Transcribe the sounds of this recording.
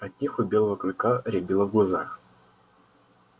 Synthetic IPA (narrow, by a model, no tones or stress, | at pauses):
ɐt̪̚ʲnʲixʊbʲelˠəvəklʲɪkaɾʲɛbʲilˠəvɡlˠazax